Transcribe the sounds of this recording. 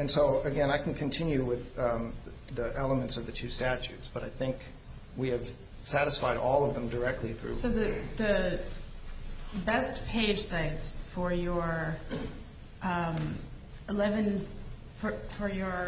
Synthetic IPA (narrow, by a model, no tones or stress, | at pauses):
ɨ̃nsoʊɨɡɛ̃naɪkʰn̩kʰɨ̃n̩tʰɪ̃njʉwɪð | ðiʔɛlˠəmɨ̃ntsʌvðɨtʰʉstæt͡ʃʉ̰tsb̥ʌɾaɪθɪ̃ŋk | wiɨv̥ | sæɾɨsfaɪɾɔlˠʌvðə̃mdə˞ɛk̚tʰˡliθɹʉ̰soʊðɨðɨ | bɛspʰeɪd̥ʒ̥saɪtsfə˞jə˞ | ʔʌ̃m | ɪlɛvɨ̃n | fəfə˞jə˞